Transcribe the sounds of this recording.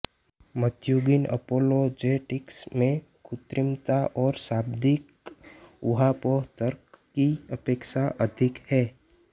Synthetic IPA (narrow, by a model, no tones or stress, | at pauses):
mət̪juɡɪnə̰poːlod͡ʒeːʈɪksmẽ | kʊt̪ɾɪmt̪aʔɔːɾsaːbd̪ɪk | ʊ̰ɦapɔːɦt̪əɾkː | iəpeːkʃaʔəd̪ʱɪkhɛː